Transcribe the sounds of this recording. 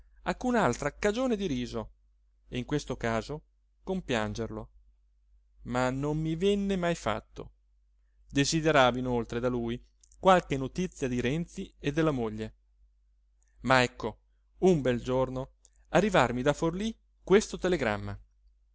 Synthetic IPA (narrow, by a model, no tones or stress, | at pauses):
akːunaalt̪ɾakad͡ʒoːned̪iɾiːzo | ḛiŋkwest̪okaːzo | kompjand͡ʒerlo | manːomːivɛnːemajfa̰t̪ːo̰ | d̪ezid̪eɾaːvinolt̪ɾed̪aluj | kwalkenːot̪it̪sːjad̪iɾɛnt̪sied̪ːelːamoʎːe | maɛkːo | umbɛld͡ʒorno | arːivarmid̪aforli | kwest̪ot̪eleɡɾa̰mːa̰